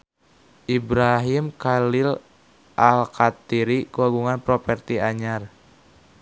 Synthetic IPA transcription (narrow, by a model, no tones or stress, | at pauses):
ʔibɾaɦimkalil | ʔalkat̪iɾikuaɡuŋanpɾɔpɛrt̪iaɲar